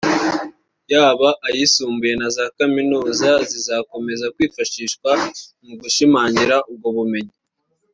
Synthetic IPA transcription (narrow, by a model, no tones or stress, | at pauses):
jaːβaʔajisuːmbuje̞nazakaminuːzazizako̞me̞zakwiːfaʃiːʃkwamuɡuʃimaːɲiɾaʔub̚ɡoβume̞ɲi